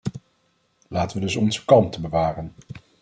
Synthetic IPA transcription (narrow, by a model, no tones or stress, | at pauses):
laːtəʋədɵsɔnzə̥kɑntəbəʋaːrən